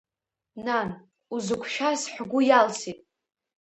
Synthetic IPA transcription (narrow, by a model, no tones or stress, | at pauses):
nan | uzɨkʷʰʃᶣasħʷɡʷʊjalsitʼ